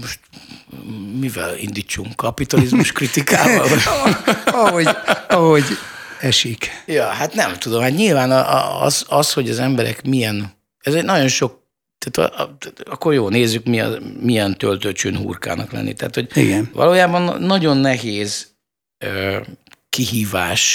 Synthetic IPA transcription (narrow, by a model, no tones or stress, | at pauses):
moʃt̪ | mivɛ̰lḭnd̪iːt͡ʃːuŋkːɒpit̪ɒlizmuʃkrit̪ikaːvɒ | ɒɦoɒɦoɟɛʃikjɒːɦat̪nɛmt̪ud̪o̞mhat̪ɲilvaːn̰ɒ̰zɒsho̞ɟɒzɛmbɛɾɛ̰kmijɛn | ɛzɛɟnɒɟo̞nʃo̞k̚ | t̪aːt̪ʰɒ̰ʔɒkːo̞rjoːlneːzːykmiɒ̰mijɛnt̪ølt̪øt͡ʃøːnɦṵrka̰ːnɒ̰klɛ̰nːʔḭt̪ɛɦːt̪ho̞ɟḭɡɛnvɒ̰loːjaːbɒnːɒɟo̞nːɛɦeːz | øːkiɦiːvaːʃ